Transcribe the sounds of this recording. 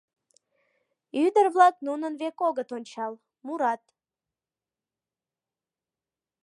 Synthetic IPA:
yd̪ərvlˠɑk̚nunənvekoɡət̪onʲt͡ɕɑlˠ | muɾɑt̪

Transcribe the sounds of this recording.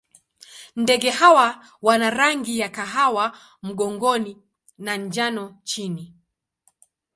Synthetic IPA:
ndɛɠɛhawa | wanaɾaŋɡijakaɦawa | m̩ɠɔŋɡɔni | naɲd͡ʒanɔt͡ʃini

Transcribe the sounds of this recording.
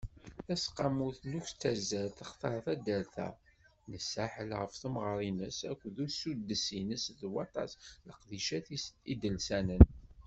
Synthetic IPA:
θæsqɑmuθnuçt͡sːəɾzæɾt̪əχt̪ˤɑɾˤθæd̪ælθæ̰ | nəsːaħəlʁəfθumʁɾˤinəsækʷːðuɾsud̪əsinəsðwɑt̪ˤɑ̰sləqðiʃæθid̪əlsænən

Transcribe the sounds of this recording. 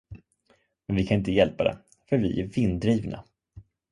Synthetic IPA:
mɛnvɪkʰanɪnt̪əjɛlpad̪ɛ̰ | fœɾvɪʔæɾvɪnd̪ɾiːvna̰

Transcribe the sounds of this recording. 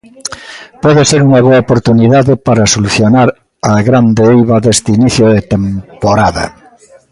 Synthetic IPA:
pɔðeseɾuŋɐβoaopoɾt̪uniðaðɪpaɾasoluθjonaɾ | aɣɾand̪eejβɐðest̪iniθjoðet̪empoɾaðɐ̰

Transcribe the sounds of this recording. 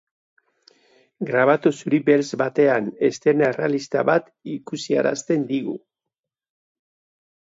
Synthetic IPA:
ɡɾaβat̪usuɾibe̞lsbat̪e̞ane̞st̪e̞nerea̰list̪aβat̪ikusia̰ɾa̰st̪e̞nd̪iɣṵ

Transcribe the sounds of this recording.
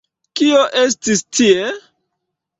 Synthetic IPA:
kioʔes̬tistʰie

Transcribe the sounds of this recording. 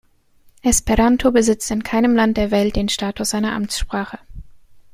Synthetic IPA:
ʔɛspɛʁantʰobəzɪt͡stɪnkʰaɪnəmlant̚d̥eːɐvɛlt̚d̥eːnʃtaːtʰʊsz̥aɪnɐʔa̰mt͡sʃpʁ̥aːχə

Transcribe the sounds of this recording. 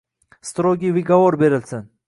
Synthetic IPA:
st̪ɾoɡʲivɨɡavoɾbeɾɪlʲsɪn

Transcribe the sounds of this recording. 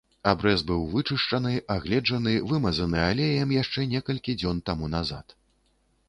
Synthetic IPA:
abɾɛzbɨwvɨt͡ʂɨʂt͡ʂɐnɨʔaɣlʲɛd͡ʐɐnɨvɨmɐzɐnɨalʲɛjɐmjaʂt͡ʂɛnʲɛkɐlʲkʲid͡zʲɔnt̪amunaza̰t̪

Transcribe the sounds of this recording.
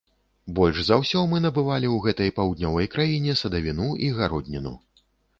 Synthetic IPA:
bɔlʲʐzawsʲɔmɨn̪ɐbɨvalʲiwɣɛt̪ɐjpawd̪ʲnʲɔvɐjkɾajinʲɛsɐd̪ɐvʲinuiɣaɾɔd̪ʲnʲinṵ

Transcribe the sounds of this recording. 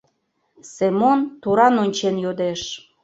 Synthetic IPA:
semont̪uɾɑnonʲt͡ɕenjod̪eʃ

